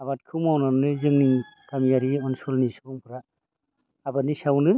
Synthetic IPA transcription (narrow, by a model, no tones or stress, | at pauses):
aβat̚kʰɯwmawnanɯzɯŋniŋkamijaɾiɔnsɔlnisɯbɔŋpʰɯɾaː | banisawnɯ